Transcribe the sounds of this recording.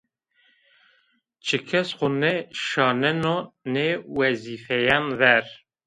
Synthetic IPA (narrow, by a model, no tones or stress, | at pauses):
t͡ʃʰɨkʰɛsχʊnɛʃɑːnɛnonewɛzifɛjɑnvɛɾ